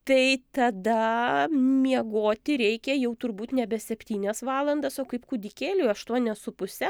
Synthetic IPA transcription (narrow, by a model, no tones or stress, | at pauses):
t̪ɐɪt̪ɐd̪ɐ | mʲiɛɡoːt̪ʲɪɾʲɛɪkʲɛjɛʊt̪ʊɾbuːt̪nʲɛbʲɛsʲɛpʲt̪ʲiːnʲɛsʋɑːlˠɐnd̪ɐsoːkɐɪpkʊd̪ʲɪkʲeːlʲʊːɐʃt̪uɔnʲɛsʊpʊsʲɛ